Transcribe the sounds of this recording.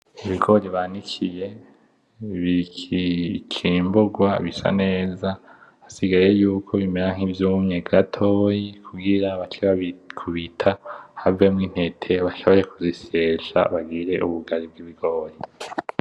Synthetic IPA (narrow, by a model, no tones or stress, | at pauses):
iβiɡo̞ːɾiβanikʰije̞ | βikikʰiːmbuɡwaβisa̰ne̞ːza | asiɡaɾe̞juːkʰo̞βimeɾaŋ̥ivjumɲe̞ɡatʰo̞jikʰuɡiɾaβat͡ʃiβakʰuβitʰahavemŋiːn̥he̞tʰe̞βaʃo̞βo̞ɾe̞kuziseːʃa̰βaɡiɾe̞ʔuβuɡaɾib̚ɡiβiɡ̥o̞ːɾi